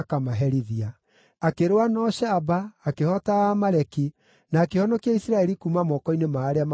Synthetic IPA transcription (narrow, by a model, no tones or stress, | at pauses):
kamaɦɛɾiðia | akeɾowanɔʃaːbaːkehɔtaamaɾɛki | naːkehɔnɔkiaisiɾaɛɾikuːmamɔkɔinemaːɾeam